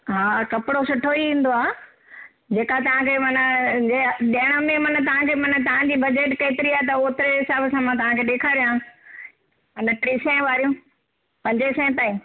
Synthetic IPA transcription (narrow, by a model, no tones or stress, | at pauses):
ɦaːkɐpɪɽosʊʈʰoiĩːn̆d̪oaː | d͡ʑeːkat̪ɐʋ̤ãkʰemɐnəd͡ʑeɗiɪɽ̃əmẽmɐnə̆t̪ɐʋ̤ãkʰeːmɐnə̆t̪ɐʋ̤ãd͡ʑiːbɐd͡ʑeːʈkeːt̪ɪɾiaːɦet̪̬ɐoːt̪ɪɾeɦɪsaːbsãːmãt̪ɐʋ̤ãkʰeːɗeːkʰaːɾijãː | mɐnəʈɾiːsɛ̃ʋaːɾijũ | pɐ̃ɲd͡ʑesɛ̃ːt̪aːĩː